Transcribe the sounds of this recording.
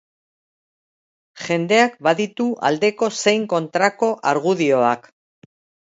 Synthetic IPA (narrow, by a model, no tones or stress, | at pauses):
ʝe̞nd̪e̞ak̚baðit̪uʔa̰ld̪e̞ko̞se̞jŋko̞nt̪ɾako̞ʔaɾɣ̞uðio̞ak